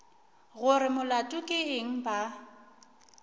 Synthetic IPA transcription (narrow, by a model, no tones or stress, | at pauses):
ɣʊɾɪmʊlatʼʊkʼɪɪŋ̩ba